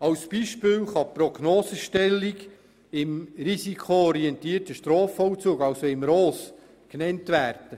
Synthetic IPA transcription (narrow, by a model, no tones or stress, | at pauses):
ɑwsb̥iːʃpɪːlχɑpɾoɡnoːsəʃtɛlːiɡ | ɪmɾisikʰoɔɾiɛntiːərtəʃtɾoːfɔwt͡suːɡɑwsoɪmɾoːs | knɛntvæːɾd̥ə